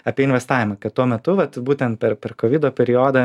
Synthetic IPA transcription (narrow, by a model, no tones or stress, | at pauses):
ɐːpʲiɛɪnʲʋʲɛst̪ɑːʋʲɪmɐkɐttːuɔmʲɛt̪ʊʋɐt̪buːt̪ʲɛnt̪̚pʲɛɾpʲɛrkoːʋʲiːd̪oːpʲɛɾʲɪoːd̪ɐ